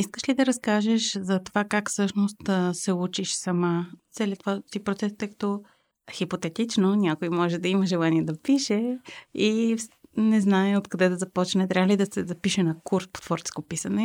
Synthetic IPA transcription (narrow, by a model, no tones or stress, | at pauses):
iskəʃlid̪ɐɾɐskaʒɛʃzɐt̪ovakakfsɤʃnost̪sɛut͡ʃiʃsɐmat̪sɛlʲiət̪vat̪ipɾot̪sɛst̪əjkɐ̥t̪ɔ | xipot̪ɛt̪it͡ʃnonʲjakojmɔʒɛd̪ɐiməʒɛlˠaniɛd̪ɐpiʃɛi | nɛznaɛot̪kɐd̪ɛd̪ɐzɐpɔt͡ʃnɛt̪ɾʲavəlid̪ɐsɛzɐpiʃɛnɐkuɾspo̥t̪v̥ɔɾt͡ʃɛ̥skopisɐnɛ